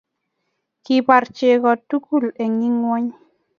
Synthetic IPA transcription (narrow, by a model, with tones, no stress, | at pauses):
ki˨pa˨ɾt͡ʃe˨kɔ˨tu˦ku˦˨le˨ŋi˦ŋwɔ˦ɲ